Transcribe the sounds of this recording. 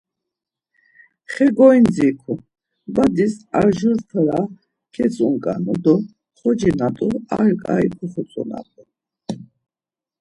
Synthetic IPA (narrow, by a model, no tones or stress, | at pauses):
χɛɡɔind͡zikʰu | bad̪isaɾʒuɾt̪ʰəɾa | kʰɛsʼuŋkʼanɔd̪ɔ | χɔd͡ʒinat̪ʼua̰ɾkʼaikʰuχɔt͡sʼɔ̰na̰t̪ʼu